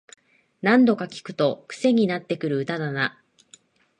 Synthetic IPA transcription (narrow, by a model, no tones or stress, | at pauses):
nãnd̪o̞kakʲi̥kɯ̟̥t̪o̞kɯ̟̥se̞ɲ̟inat̪ːe̞kɯ̟ɾɯ̟ɯ̟t̪anana